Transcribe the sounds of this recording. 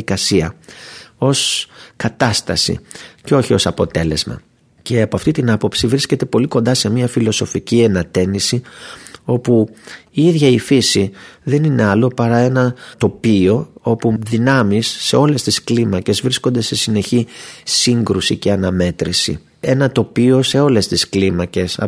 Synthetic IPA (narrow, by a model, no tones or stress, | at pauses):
ikɐsiɐ | o̞skɐt̪ɐst̪ɐsḭceo̞çio̞sɐpo̞̰t̪e̞le̞zmɐ̰ | ce̞ɐpoɐft̪it̪inɐpo̞psivɾisce̞t̪e̞po̞liko̞nd̪ɐse̞miɐfilo̞so̞ficienɐt̪e̞nisi | o̞puiiðʝɐifisiðe̞nine̞ɐlo̞pɐɾɐe̞nɐt̪o̞pio̞o̞puðinɐmisːe̞o̞le̞st̪isklimɐce̞zvɾisko̞nd̪e̞se̞sine̞çisiŋɡɾusice̞ɐnɐme̞t̪ɾisḭ | e̞nɐt̪o̞pio̞se̞o̞le̞st̪isklimɐce̞sɐ̰